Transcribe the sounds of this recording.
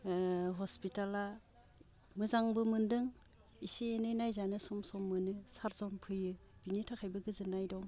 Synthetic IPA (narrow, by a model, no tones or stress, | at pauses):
ɦɔspitala | mɯzaŋbɯmɯndɯŋ | isiːnɯnajzanɯsɔmsɔmːɯnɯsaɾzɔmpʰɯjɯb̥initʰakʰajbɯɡɯzɯnːajdɔŋ